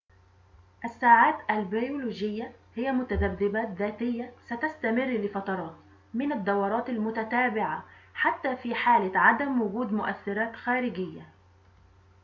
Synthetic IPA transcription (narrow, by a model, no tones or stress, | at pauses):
ʔasːaːʕaːt̪ʔalbajuluːd͡ʒɪjːahɪjːamʊt̪ad̪abːɪbaːt̪̚ðaːt̪ɪjːasat̪ast̪amɪrːlɪfɑt̪ɑɾˤɑːt̪ | mɪnad̪ːɑwɑɾˤɑːt̪almʊt̪at̪aːbɪʕaħat̪ːaːfiːħaːlɪʕad̪amwʊɡuːd̪mʊʔaθːɪɾaːt̪xaːɾɪɡɪjːa